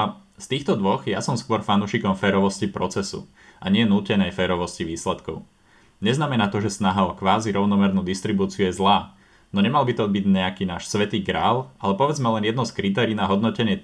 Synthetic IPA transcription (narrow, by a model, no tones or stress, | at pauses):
ast̪iːxt̪ɔd̪ʋɔɣjasɔmskʊɔɾfanuːʃikɔmfɛːɾɔʋɔscipɾɔt͡sɛsṵ | ʔaɲɪɛnuːcɛnɛjfɛːɾɔʋɔsciʋiːslɛt̪kɔ̰ʊ | ɲɛznamɛnaːt̪ɔʒɛsnaɦalkʋaːziɾɔʊnɔmɛɾnuːd̪ist̪ɾibuːt͡siujɛzlaː | nɔɲɛmalbit̪ɔbiɟɲɛakiːnaːʃsʋɛt̪iːɡɾaːlʔalɛpɔʋɛd͡zmɛlɛnjɛd̪nɔskɾit̪ɛːɾiːnaɦɔd̪nɔcɛɲɪɛ